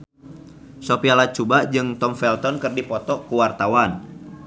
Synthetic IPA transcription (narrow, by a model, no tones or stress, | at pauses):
sopialat͡ʃubad͡ʒɨŋt̪ɔmfɛlt̪ɔnkɨrdipɔt̪ɔkuwart̪awan